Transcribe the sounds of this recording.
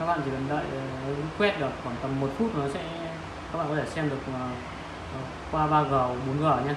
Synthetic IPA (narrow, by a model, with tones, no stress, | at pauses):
aː˦˥k̚ɓa̰˧˨˩t͡ɕi˨˩ə˨˩nɗə̰ː˧˨jzɨ˧˦˥kwɛ˦˥t̚ɗɨ˨˩əkkwaː˧˩nt̪ə˧˩mːo˨˩t̚fu˦˥t̚nɔ˨˦sɛ̰˧˥ | kaː˦˥ɓa̰ː˧˨kɔ˧˨e˧˩sɛ˧mɗɨ˨˩əkː | kwaː˧ɓaː˧ɣəː˨˩ɓo˨˦nɣə˧˩ɲa˧